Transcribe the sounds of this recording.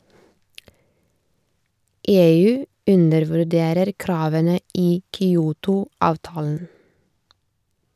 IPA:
ˈeːˌʉː ˈʉnəɾʋʉˌɖeːɾəɾ ˈkɾɑːʋənə ˈiː kʏˈuːtʊ ˈɑːʋtɑːln̩

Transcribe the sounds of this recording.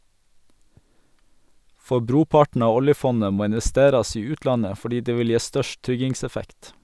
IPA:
ˈfɔ ˈbɾuːˌpɑʈɳ̩ ˈɑː ˈɔljəˌfɔnə ˈmoː ɪnʋɛˈsteːɾɑs ˈiː ˈʉːtˌlɑnə fɔˈɖiː ˈdeː ˈʋɪl ˈjeː ˈstœʃʈ ˈtɾʏɡɪŋsɛˌfɛkt

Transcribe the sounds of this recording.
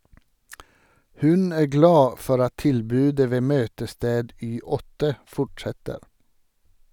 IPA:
ˈhʉn ˈæː ˈɡlɑː ˈfɔɾ ˈɑt ˈtɪlbʉːdə ˈʋeː ˈmøːtəˌsteːd ˈyː ˈɔtə ˈfɔʈʃɛtəɾ

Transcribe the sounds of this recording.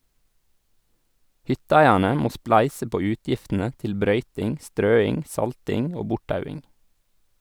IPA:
ˈhʏtəˌæɪæɳə ˈmoː ˈsplæɪsə ˈpoː ˈʉːtjɪftənə ˈtɪl ˈbɾœʏtɪŋ ˈstɾøːɪŋ ˈsɑltɪŋ ˈoː ˈbʊʈˌtɑʉɪŋ

